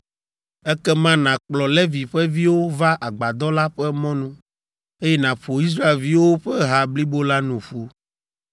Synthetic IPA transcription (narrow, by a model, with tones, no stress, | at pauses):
ɛ˦kɛ˦mã˦nã˨k͡plɔ˨lɛ˦vi˨ɸɛ˦vi˦wo˦va˦ʔa˨ɡ͡ba˨d̪ɔ˦la˦ɸɛ˦mɔ̃˦nũ˦ | e˦jɛ˦nã˨ɸo˨i˦s̬ɾa˦e˨lvi˦wo˦ɸɛ˦ɦa˨bli˦bo˦la˦nũ˨ɸu˦